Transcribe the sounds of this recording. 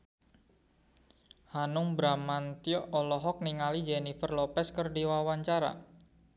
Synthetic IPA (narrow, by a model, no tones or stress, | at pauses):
hanʊŋbɾamant̪iɔʔɔlɔɦɔk̚niŋalid͡ʒenifərlɔpɛskərdiwawaɲt͡ʃaɾa̰